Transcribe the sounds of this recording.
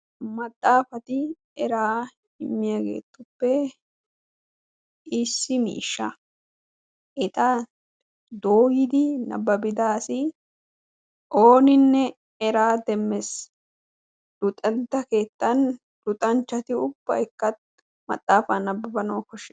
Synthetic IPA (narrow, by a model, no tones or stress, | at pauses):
mɐt̪ʼːaːfɐt̪ɪ | ɛɾaː | ɪmːɪjaɡe̞̰ːt̪ːʊpːɛ | ɪsːɪmḭːʃːɐ | ʔɛt̪ʼɐ | d̪oːɡɪd̪ɪnɐ̰bːɐbɪd̪aːsɪ | ʔo̞ːnɪnːɛ | ɛɾaːd̪ɛmːɛs | d̪̥ʊt̪ʼɐnt̪ːɐke̞ːt̪ːɐn | d̪̥ʊt̪ʼɐnt͡ʃːɐt̪ɪʊb̥ːɐ̰jkːɐt̪ | mɐ̰t̪ʼːaːfanɐbːɐbɐnoːkɔʃɛ